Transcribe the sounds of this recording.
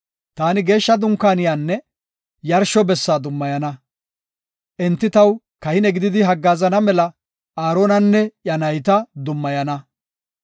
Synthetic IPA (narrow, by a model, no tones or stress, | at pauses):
t̪aːnɪɡe̞ːʃːɐd̪ʊŋkːaːnɪjaːnːɛ | jɐɾʃɔbɛsːaːd̪ʊmːɐjɐnɐ | ʔɛnt̪ːɪt̪ɐw | kɐhɪnɛɡɪd̪ɪd̪ɪɦɐɡːaːzɐnɐmɛlɐ | ʔaːɾoːnɐnːɛjɐnɐjt̪ɐd̪ʊmːɐjɐnɐ